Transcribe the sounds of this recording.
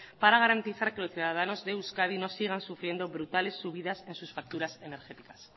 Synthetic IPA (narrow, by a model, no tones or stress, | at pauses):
paɾaɣ̞aɾant̪iθaɾke̞lo̞sθjuðað̞ano̞zðe̞uskaðino̞siɣansufɾje̞nd̪o̞βɾut̪ale̞sːuβiðase̞nsusfak̚t̪uɾasene̞ɾxe̞t̪ikḁs